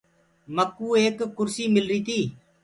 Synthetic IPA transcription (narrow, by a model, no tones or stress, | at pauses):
məkuːeːkːʊɾsiːmɪlɾiːt̪ʰiː